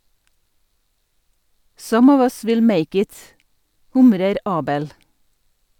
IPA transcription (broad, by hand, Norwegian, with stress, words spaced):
ˈsʌm ˈɔʋ ˈʌs ˈʋɪl ˈmeɪk ˈɪt ˈhʊmɾəɾ ˈɑːbəl